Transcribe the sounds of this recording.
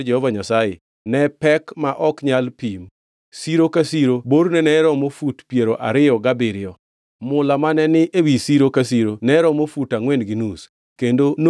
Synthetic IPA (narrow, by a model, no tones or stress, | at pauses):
d͡ʒɛhɔvaɲasaje | nɛpɛkmaʔɔkɲalpim | siɾokasiɾoboɾnɛnɛɾɔmofutpjeɾoʔa̰ɾɪɔɡabɪɾɪɔ | mʊlamanɛnɪʔewisiɾokas̬iɾonɛɾɔmofutaŋwɛndɡinus | kendono